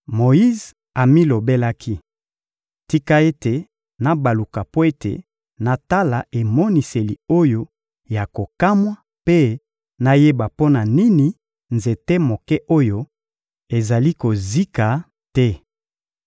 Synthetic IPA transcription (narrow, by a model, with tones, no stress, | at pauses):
mo˨i˦z | a˨mi˦lo˨be˦la˦kʰi˦ | ti˦ka˦e˦te˨ | na˨ba˨lu˨ka˨po˦e˦tḛ˨ | na˨ta˦la˨e˨mo˦ni˨se˨li˨o˦jo˦ | ja˨ko˨ka˦mwa˦ | pe˦ | na˦je˦ba˨po˦na˨ni˦ni˨ | nze˨te˦mo˨kɛ˦ʔo˦jo˦ | e˨za˨li˦ko˨zi˦ka˨ | tɛ˦